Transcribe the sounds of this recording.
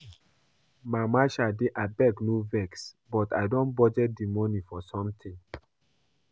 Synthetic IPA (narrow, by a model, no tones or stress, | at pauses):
mamaʃadeʔabɛknuvɛks | bɔtaɪdɔ̃nbɔd͡ʒɛt̚dimɔnifɔsɔ̃mtʰĩŋ